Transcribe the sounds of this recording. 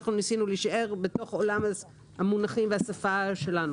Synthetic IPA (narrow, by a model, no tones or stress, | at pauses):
aχnunisinuliʃaʔe̞ʁbeto̞χo̞lama | hamunaχimveasafaʃe̞lanu